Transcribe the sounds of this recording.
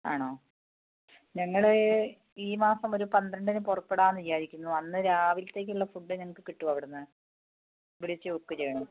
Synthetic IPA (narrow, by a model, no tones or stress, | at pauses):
a̰ːɳoː | ɲɐŋːɐɭe | iːmaːsɐmo̞ɾupɐnd̪ɾɐɳɖinɨpurɐpːeɽaːnt̪ijjaːɾikʲːunːuɐnːɨɾaːʋilt̪e̞ːk̬ʲːuɭːɐfuɖːɨɲɐŋːɐɭkːɨkiʈːuʋɐʋiɽenːɨ | ʋiɽit͡ɕːɨokːɐt͡ɕejːɳum